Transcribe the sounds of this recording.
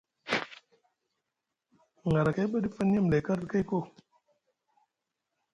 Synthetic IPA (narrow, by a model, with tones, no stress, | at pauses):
ŋ˨ɡa˨ɾa˨ka˦jɓa˦di˦fə˦n˦a˦˨m˨le˨ka˦ɾka˦jko˦